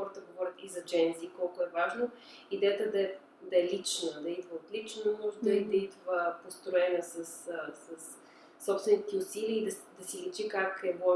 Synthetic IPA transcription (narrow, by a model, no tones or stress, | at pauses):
xɔɾət̪əɡovɔɾʲət̪izɐd͡ʒɛnzikɔlˠkʊɛvaʒno | id̪ɛjət̪əd̪ɐɛ | d̪ɐɛlit͡ʃnəd̪ɐid̪vəot̪lit͡ʃnomɔʒɛd̪ɐid̪ɐid̪vəpost̪ɾoɛnəsəssəsː | ɔpst̪vɛnit̪ɛʊsiliəid̪ɐd̪ɐsilɛt͡ʃikakɛvɔ